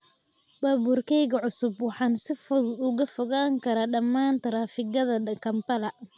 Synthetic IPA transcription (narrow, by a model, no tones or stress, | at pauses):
baːbuːrkʰɛjɣɐʕʊsʊbwɑħɑːnsɪfʊðʊɣɐfɔɣaːŋkʰɐɾaːɖɐmːaːnt̪ʰɐɾaːfɪɣɐðɐkʰɐmpɐlɐ